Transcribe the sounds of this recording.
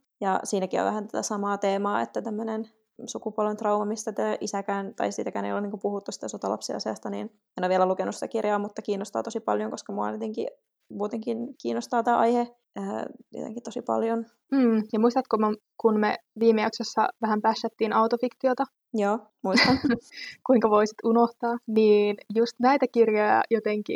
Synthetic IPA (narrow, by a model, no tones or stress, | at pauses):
jɑsiːnækio̰ʋæ̰hænt̪æ̥t̪æsɑmɑːt̪eːmɑːḛt̪ːæt̪æmːønen | sukupuolʋent̪rɑuʋɑmist̪æt̪æʔisækæːnt̪ɑ̰isḭːt̪ækæːnḛjolːuniːŋkupuhut̪ːusi̥t̪æsot̪ɑlɑ̰psiɑ̰siɑ̰st̪ɑnḭːn | enoʋielælukenusit̪ækirjɑːmut̪ːɑkiːnːost̪ɑ̰ːt̪osipɑljoŋkoskɑmuɑ̰net̪eŋkḭ | muːt̪eŋkinkiːnːost̪ɑːt̪æːʔɑjhe | əːjo̰t̪ḛŋkit̪osipɑ̰ljon | m̩ːjɑmuist̪ɑt̪komokunmeʋiːmːeɑksesːɑ̰ʋæɦæmpæsːæt̪ːiːnɑwt̪ofikt̪iot̪ɑ | joː | muist̪ɑnkuiŋkɑʋoisi̥t̪unoht̪ɑːniːnjust̪næit̪ækirjojɑ̰jot̪eŋkḭ